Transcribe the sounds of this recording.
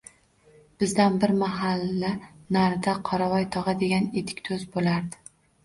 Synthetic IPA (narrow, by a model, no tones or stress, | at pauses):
b̥ɪzd̪anbɪɾmaɦalːanaɾd̪aqʰɒɾavɒjt̪ʰɒʁɑd̪e̞ɡʲanet̪ʰɪ̥kʲt̪ʰɵzbolaɾd̪ɪ̥